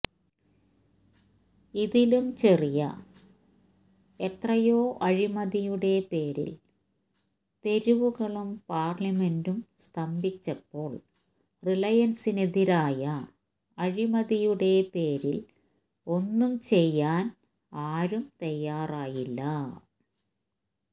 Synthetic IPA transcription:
iðilumt͡ɕerijɐ̰ | et̪rɐjo̞ːʔɐɻimɐðijuɽe̞pe̞ːɾḭl | t̪e̞ɾuʋuɣɐɭumpaːrlɐme̞ndumst̪ʰɐmbit͡ɕːɐpːo̞ːɭ | rilɐjɐnsineðiɾaːjɐ | ɐɻimɐðijuɽe̞pe̞ːɾil | o̞nːumt͡ɕe̞jːaːn | aːɾumt̪ɐjːaːraːjilːɐ

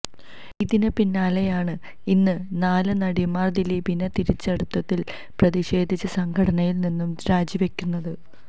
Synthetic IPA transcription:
iðinɨpinːaːlejaːɳɨ | inːɨnaːlɨnɐɽimaːrd̪iliːbinɐt̪iɾit͡ɕːɐɽut̪ːɐt̪ːil | prɐðiɕe̞ːd̪ʱit͡ɕːɐsɐŋkʰɐɽɐnɐjilninːumɾaːd͡ʑjɐʋɐkʲːunːɐðɨ

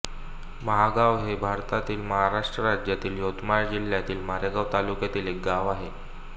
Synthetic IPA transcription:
məɦaɡaʋɦebʱaɾt̪at̪iːlməɦaɾaʂʈɾəɾad͡ʑjat̪iːljot̪majd͡ʑil̤jat̪iːlmaɾjaɡaʋt̪alukjat̪iːlek̚ɡaʋaɦe

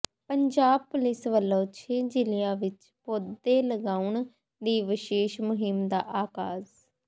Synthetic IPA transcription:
pəɲd͡ʒaːb̚pʊlɪsʋəlːoːt͡ʃʰeːd͡ʒɪlɪjãːʋɪt͡ʃ | poːd̪ːeːləɡaːuɳ | d̪iːʋɪʃeːʃmʊɦɪmd̪aːʔaːkaːz

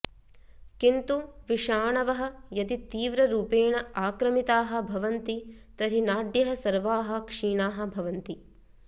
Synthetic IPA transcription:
kint̪uʋiʂaːɳɐʋɐɦɐ̆jɐd̪it̪iːʋɾɐɾuːpeːɳɐaːkɾɐmit̪aːɦɐ̆bʱɐʋɐnt̪it̪ɐɾinaːɖjɐɦɐsɐɾʋaːɦɐ̆kʂiːɳaːɦɐ̆bʱɐʋɐnt̪i

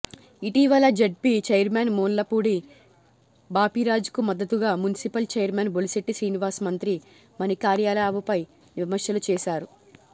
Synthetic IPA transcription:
iʈiʋɐlɐd͡ʒeɖ̚pit͡ʃɐjɐɾmeːnmoːnlɐpuːɽi | baːpiɾaːd͡ʒu̥kumɐd̪ːɐt̪uɡaːmunisipɐlt͡ʃeːjɐɾmeːnboliseʈːisɾiːniʋaːɾsmɐnt̪ɾi | mɐnikaːɾjaːlaːʋɐpɐj | nimɐɾʂjɐlut͡ʃɛːsaːɾu

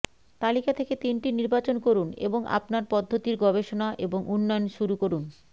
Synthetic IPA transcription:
t̪alikat̪ʰeket̪inʈiniɾbat͡ɕonkoɾunḛboŋa̰pnaɾpɔd̪ʱːot̪iɾɡɔbeʃonaʔeboŋʔunːɔonʃuɾukoɾun

